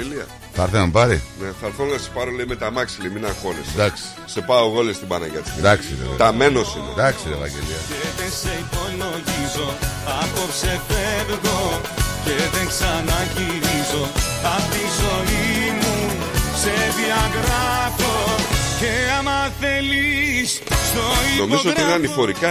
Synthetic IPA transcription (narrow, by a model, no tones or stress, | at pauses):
eliɐ̰ | θɐɾθeɐmpɐɾḭneθɐɐɾθonɐse̥pɐɾoleimet̪ɐmɐksiliminɐxo̞lesd̪ɐksi̥sepɐoɣo̞lest̪ibɐnɐʝɐt͡si̥d̪ɐksiɾḛvḛt̪ɐmenosinḛd̪ɐksiɾḛvɐ̰ɟḛliɐeðense̞ipo̞lo̞ʝizo̞ɐko̞pse̞feɾɣo | ce̞ðeŋksɐnɐʝiɾizo̞ | ɐft̪inzo̞imu | se̞ðiɐɣɾɐfoceɐmɐθe̞lis | st̪oino̞mizzoot̪iineɐnifo̞ɾikɐ